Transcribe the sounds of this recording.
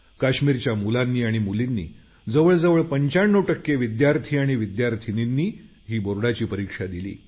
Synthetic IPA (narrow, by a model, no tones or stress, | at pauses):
kaɕmiːɾt͡ɕjamulanːiːaɽ̃imulinːḭː | d͡zəʋəɭd͡zəʋəɭpəɲt͡ɕaɳːoʈəkːeʋid̪jaɾt̪ʰiːaɽ̃iʋid̪jaɾt̪ʰininːiː | ɦiːboɾɽat͡ɕiːpəɾikʂad̪ilḭː